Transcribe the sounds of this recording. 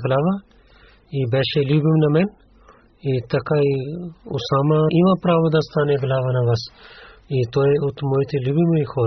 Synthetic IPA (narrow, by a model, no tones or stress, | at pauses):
ɡlaːʋa | ibeʃelubimnɐmen | it̪ɐkaiʊ̰saːmaiʋãːpɾaːʋud̪ɐst̪aːneɡlaːʋanɐʋɐsit̪oːeut̪mojit̪elubimuixʰoː